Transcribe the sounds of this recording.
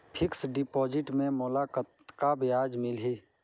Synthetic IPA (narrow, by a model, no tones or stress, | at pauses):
pʰɪksɖɪpɔːd͡ʒɪʈmẽmoːlakət̪kabɪjaːd͡ʒmɪlɦi